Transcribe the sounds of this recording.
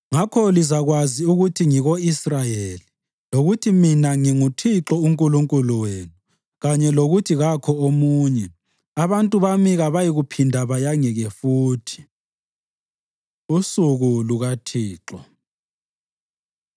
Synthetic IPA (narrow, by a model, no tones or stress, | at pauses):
ŋakʰɔlizaɣwaziuɣutʰiŋiɣoisrajeli | loɣutʰiminaŋiŋutʰiǁɔuŋkʼuluŋkʼuluweːnu | ɣaɲɛloɣutʰiɣakʰɔomuːɲɛ | aβantʼuβamiɣaβajiɣupʰindʱaβajaŋɛɣɛfuːtʰi̥ | usuɣuluɣatʰiːǁɔ̰